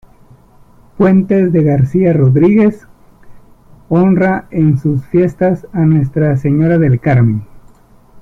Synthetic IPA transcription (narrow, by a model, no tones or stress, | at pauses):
pwe̞nt̪e̞zðe̞ɣaɾsiaro̞ðɾiɣe̞s | o̞nrae̞nsusfje̞st̪asanwe̞st̪ɾase̞ɲo̞ɾaðe̞lkaɾmẽn